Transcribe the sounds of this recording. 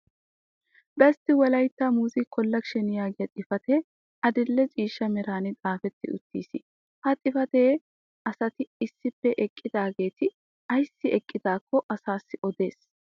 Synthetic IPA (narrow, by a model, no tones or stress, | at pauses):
b̪ɐst̪ːɪwɐlɐjt̪ːaːmuːzikɔlːɐkɪ̥ʃɛnɪjaːɡɪjɐt̪ʼɪfɐt̪ʰeː | ɐd̪ɪlːɛt͡ʃʼiːʃːɐmɛɾaːnɪt͡sʼaːfɛt̪ːɪʊ̰t̪ːḭːsɪ | hɐt̪ʼɪfɐt̪eː | ɐsɐt̪ɪɪsːɪpːɛʔɛkʼːɪd̪aːɡe̞ːt̪ɪ | ɐjsːɪʔɛkʼːɪd̪aːkːɔʔɐsaːsːɪʔɔd̪e̞ːs